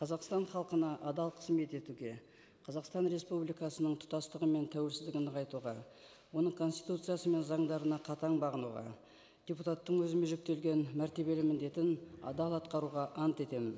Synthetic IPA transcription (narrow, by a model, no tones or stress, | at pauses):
qʰɑzɑqst̪ɑɴχɑlˠqənɑʔɑd̪ɑlˠqʰə̥sme̞t̪e̞t̪uɡʲe̞ | qʰɑzɑqst̪ɑnɾe̞spublijkɑsənəɴt̪ʰʊ̥t̪ɑst̪əʁəme̞nt̪ʰæwe̞lsɪzd̪ɪɡʲɪnd̪ɪqɑjt̪uʁɑ | wo̞nəɴkʰo̞nst̪ijt̪ut̪sɨjasəme̞nzɑɴd̪ɑɾənɑqʰɑt̪ɑɴbɑʁənuʁɑ̰ | d̥̪ʲeput̪ɑt̪ːəɴwɵzɪme̞ʒʏk̚t̪e̞lɡʲe̞nmæɾt̪e̞βe̞lɪmɪnd̪e̞t̪ɪnɑ̰d̪ɑlˠɑt̪qɑɾuʁɑʔɑnt̪e̞t̪e̞mɪn